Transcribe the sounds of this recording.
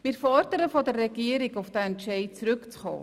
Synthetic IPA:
mɪɾfɔrdəɾəfodərːɛɡiəɾikofd̥aɛntʃɛɪt̚t͡srʏkt͡sχɑ̰ː

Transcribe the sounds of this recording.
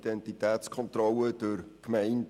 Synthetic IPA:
d̥ɛntitɛːt͡skʰɔnt̪rɔləd̥əɾkmɛɪnd

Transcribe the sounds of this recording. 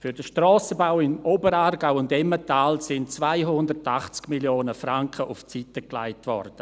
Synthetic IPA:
fʏɾdəʃtrɔːsəbaʊɪmobəɾaːrɡaʊʊndɛmətaːlsɪnt͡svaɪɦʊndərtaχt͡skmiljoːnəfraŋkχəʔʊft͡sitəkla̰ɪtvɔ̰rd̥ə

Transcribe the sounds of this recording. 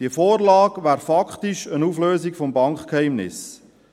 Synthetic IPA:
d̥iəfoːrlɑːɡʋæːɾfɑkχtiʃənufløːzikfɔmbɑŋkkhɛɪmnɪ̰s

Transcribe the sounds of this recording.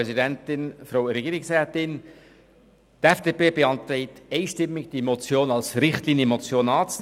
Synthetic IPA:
ɛzidɛntɪnfɾoʊɾeɡiːɾɪksɾɛːtɪn | tɛfd̥eːpeːbeɑnt̪ɾɛɪteɪʃtɪmːɪɡ̚d̥imot͡sjoːnɑlsɾɪχtliːnjəmot͡sjoːnɑːt͡s

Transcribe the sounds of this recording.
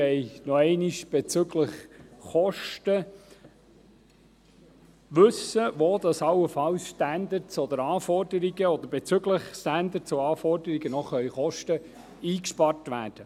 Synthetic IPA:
ɛɪnɔɛɪniʃb̥et͡sʏɡləχχɔʃtə | ʋɵsəʋoːd̪ɑsɑləfɑwsʃtænd̪ət͡sɔd̪əɾɑːfɔrdəɾiɡəɔd̪əɾb̥ɛt͡sʏɡləχsænd̪ət͡soɑːfɔrdəɾiɡ̥ənɔχœʏχɔʃtə | iːkʃpɑrtʋæːd̥ə

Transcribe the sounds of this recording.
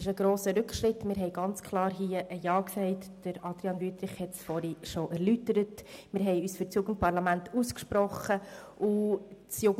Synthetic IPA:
ɪʃəɡ̥ɾoːsəɾʏkʰʃɾɪtmɪːɾɦɛɪɡɑnt͡skʰlɑːɾɦiːəʔəjɑːksɛɪtd̥əɾɑd̥̪ɾiɑnvyːt̪ɾɪχhɛtsfɔɾiʃoʔɛɾlytəɾətmɪːɾɦɛɪyːsfyɾt͡sjʊɡən̩t̚pɑɾlɑmæntuskʃpɾɔχəʔʊt͡sjʊɡ

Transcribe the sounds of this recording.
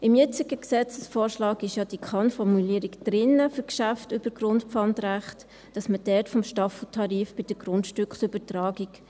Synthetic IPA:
ɪmjɛt͡sɪɡəksɛt͡səsfɔːɾʃlɑːkɪʃjɑd̥ikʰɑnfɔrmuliːəɾɪkd̥ɾɪnːəfʏɾkʃæftʉb̥əɡrʊntpfɑntræχt | d̥ɑsməd̥ɛtfɔmʃtɑfl̩tʰɑɾiːfb̥ɪd̥əɡɾʊndʃtʏkχsʏbətrɑːɡɪk

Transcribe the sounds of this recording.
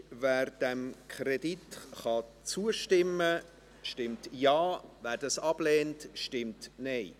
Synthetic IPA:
væːɾd̥ɛmkʰχreditχɑt͡suəʃtɪmːə | ʃtɪmtjɑːvæːɾdɑsɑb̥lɛːntʃtɪmtnɛɪ

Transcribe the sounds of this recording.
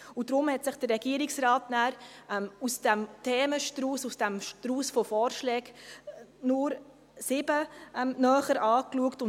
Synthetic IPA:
udɾʊmhɛtsɪχd̥ərːɛɡiːəɾɪksɾɑːtnæːɾɛmusd̥ɛmtʰɛːməʃtɾuːsusd̥ɛmʃtɾuːsfofɔːɾʃlɛːk | nʊɾ | sɪbəmnœːχəɾɑːkluəktʊn

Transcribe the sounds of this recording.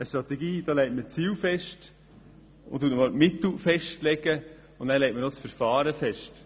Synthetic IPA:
əʃtɾɑt̪ɛɡiːd̥̪ɑːlɛɪtmət͡siːwfɛʃt | ʊ̰nt̪uətnəmɑlmɪt̪l̩fɛʃtlɛɡə | ʊnæːlɛtməɾnosfəɾfɑːɾəfɛʃt

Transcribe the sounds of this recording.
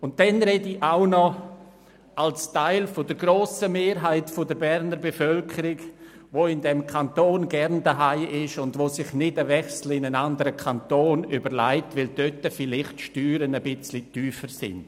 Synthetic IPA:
ʊnt̚dɛnɾediʔaʊnɔ | alstaɪlfodəɾɡɾoːsəmeːɾɦaɪtfʊdəɾbɛɾnəɾbefœlkʰəɾɪɡ | ʋoɪndɛmkʰantoːnɡɛɾndəɦaɪʔɪʃʊndʋosɪχnɪdəvɛχsl̩ɪnənandəɾəkʰantoːnybəɾla̰ɪtʋɪld̥øtəfɪlɪχtʃtyːɾənəbɪt͡slityːfəɾsɪ̰nd̥

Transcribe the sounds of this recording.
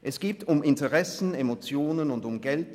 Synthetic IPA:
ʔɛsɡ̥iːtʰʊmɪntəʁɛsn̩emot͡sjoːnənʊndʊmɡɛlt

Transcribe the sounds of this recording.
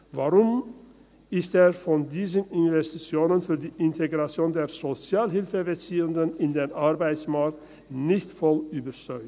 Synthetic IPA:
vaʁʊm | ʔɪsteːɐfɔndiːzənɪnvɛstit͡sjoːnənfyːɐdiːʔɪntʰeɡʁat͡sjoːndeːɐzot͡sjaːlɦɪlfəbɛt͡siːʊndənɪndeːnʔaʁbaɪt͡smaɐk̚t | nɪçtfɔlyːbɐʃtœʏ

